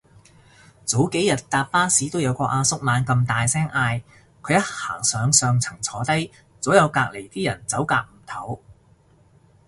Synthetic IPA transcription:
t͡so˨˥wke˨˥jɐ˨˩t̚t̪aː˨p̚faː˥siː˨˥t̪o˥wjɐ˨˧wkɔː˧ʔaː˧sʊ˥k̚maː˨˧nkɐ˧mt̪aː˨jsɛː˥ŋʔaː˧j | kʰɵ˨˧ɥjɐ˥t̚ha̰ː˨˩ŋsœː˨˧ŋsœː˧ŋt͡sʰɐ˨˩ŋt͡sʰɔː˨˧t̪ɐ˥j | t͡soː˨˥wjɐ˨˧wkaː˧k̚le˨˩jt̪iː˥jɐ˨˩nt͡sɐ˨˥wkaː˧k̚m̩˨˩t̪ʰɐ˨˥w

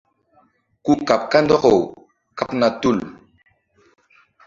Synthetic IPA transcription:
ku˦ka˨p̚ka˦ndɔ˦ko˨w | ka˦pna˨tu˦˨l

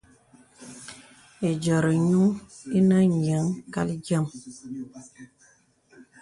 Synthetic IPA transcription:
e˨d͡ʒɔ˨ɾə˨ɲu˦ŋ | i˦nə˦ɲ˨ə˨˦ŋka̰˦li˦d͡ʒə˦m

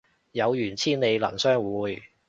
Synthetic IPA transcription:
jɐ˨˧wjyː˨˩nt͡sʰiː˥nne˨˧jlɐ̰˨˩nsœː˥ŋwuː˨˧j

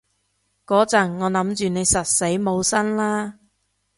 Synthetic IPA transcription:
kɔː˨˥t͡sɐ˨˩nŋɔː˨˧lɐ˨˥mt͡ʃyː˨ne˨˧jsɐ˨t̚se˨˥jmo˨˧wsɐ˥nlaː˥

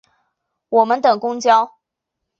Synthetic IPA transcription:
wɔ˨˩mə˨˦nt̪ɤ˨˩ŋkʊ˥ŋt͡ɕjɑ˦ʊ

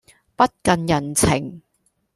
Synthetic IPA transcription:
pɐ˥t̚kɐ˧njɐ˨˩nt͡sʰɪ̰˨˩ŋ

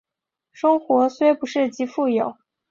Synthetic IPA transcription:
ʂɤ˥ŋxwɔ˧˥swe˥ɪpu˧˥ʂɻ̩˥˩t͡ɕi˧˥fu˥˩jo˨˩˦ʊ

